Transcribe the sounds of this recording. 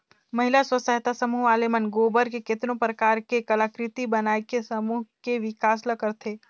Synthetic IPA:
mɐɦɪlaswɐsəɦɪt̪asɐmuːaːlemənɡoːbəɾkekɪt̪nõpɾəkaːɾkekɐlakɾɪt̪ibɐnaːekesɐmuːɦkeʋɪkaːslɐkəɾt̪ʰeː

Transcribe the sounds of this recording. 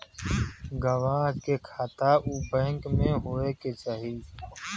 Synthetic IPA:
ɡəʋaːɦkekʰaːt̪aʔubəɦə̃ŋkmẽɦoːeket͡ʃaːɦi

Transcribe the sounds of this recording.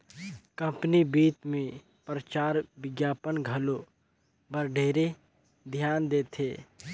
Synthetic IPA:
kɐ̃mpnibiːt̪mẽ | pɾət͡ʃaːɾʋɪɡjaːpənɡʱɐlo | bəɾɖʱeːɾe | d̪ʱjaːnd̪eːt̪ʰeː

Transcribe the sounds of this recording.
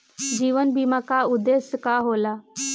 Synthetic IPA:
d͡ʒiːʋənbiːmakaʊd̪esjəkaɦoːlaː

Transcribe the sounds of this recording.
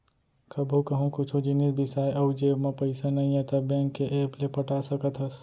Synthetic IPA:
kəbʱukəɦũkʊt͡ʃʰud͡ʒinisbɪsajʔəwd͡ʒemepəɪsanəĩẽt̪əbẽŋkːeʔeplepəʈasəkət̪ɦəs

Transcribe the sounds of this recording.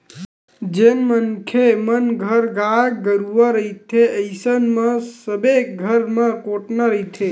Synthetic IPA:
d͡ʒenmənkʰemənɡʱəɾɡaɡəɾuʋaɾəit̪ʰeəɪsənmãsəbeɡʱəɾmãkoʈnaɾəɦit̪ʰe

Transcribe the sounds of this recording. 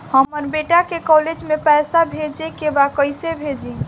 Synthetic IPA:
həməɾbeʈakekɔled͡ʒmepɛjsabʱed͡ʒekebakəjsebʱed͡ʒi

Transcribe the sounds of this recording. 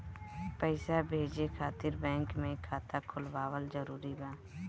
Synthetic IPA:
pɛɪsabʱeːd͡ʒekʰaːt̪ɪɾbɛ̃ːŋkmẽkʰaːt̪akʰʊlwaːwəlzəɾuːɾibaː

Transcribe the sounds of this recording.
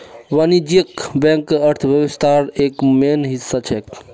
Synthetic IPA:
ʋanid͡ʒiekbɛ̃ŋkːeəɾt̪ʰbjəbist̪ʰaɾekmenɦisːat͡ʃʰɛk

